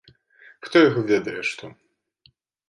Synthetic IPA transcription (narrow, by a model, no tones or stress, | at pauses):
xt̪ɔjɐɣɔvʲɛd̪ɐjɛʂt̪ɔ